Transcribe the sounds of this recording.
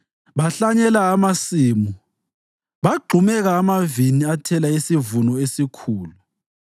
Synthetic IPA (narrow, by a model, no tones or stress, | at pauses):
βaɬaɲɛlaːmasiːmu | βaɡ͡ǃʱumɛɣaːmaviniatʰɛlaisivunɔesikʰuːlu